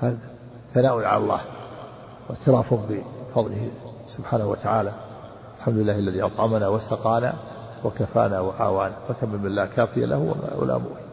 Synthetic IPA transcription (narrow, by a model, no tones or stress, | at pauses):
haːða | θanaːʔʊnʕa̰lalˤːɑ̰ːh | wɪʕt̪ɪlɑːfʊbɪfɑðˤlɪhi | sʊbħaːnahwa̰t̪aʕaːla | alħamd̪ʊlɪlːaːhalːaðiʔɑt̪ˤʕɑmanawasɑqɑːna̰ | wakafa̰ːnawaʔa̰ːwaːnafakamːɪlmɪnlːaːkaːfɪja̰lʔa̰hwa̰ma̰a̰la̰ːmṵ